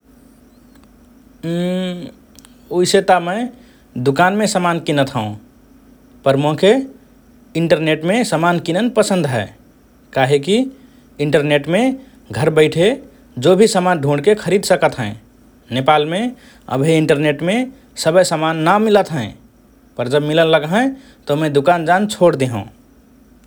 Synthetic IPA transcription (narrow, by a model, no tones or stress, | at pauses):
oiset̪amə̃ɪ | d̪ukanmẽsəmankinət̪ʰɦəũ | pəɾmõkʰe | iɳʈəɾneʈmesəmankinənpəsə̃nd̪ʱɦɛː | kaɦeki | iɳʈəɾneʈme | ɡʱəɾbəɪʈʰe | d͡ʒobʱisəmanɖʱũɳɖkekʰəɾid̪səkət̪ɦə̃ | nepalme | ə̰bʱeiɳʈəɾneʈme | səbəsəmanːamilət̪ɦɛ̃ | pəɾd͡ʒəbmilənləɡɦɛ̃ | t̪omɛ̃d̪ukand͡ʒant͡ʃʰoɽd̪eɦṵ̃